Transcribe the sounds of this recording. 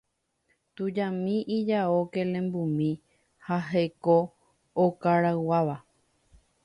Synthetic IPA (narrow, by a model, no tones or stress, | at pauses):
t̪ud͡ʒãmĩʔid͡ʒaokelẽ̞mbumĩ | haɦeko | okaɾawaʋa